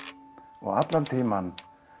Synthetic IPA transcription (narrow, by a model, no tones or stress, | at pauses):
ɔ̰at̪lant̪ʰiːman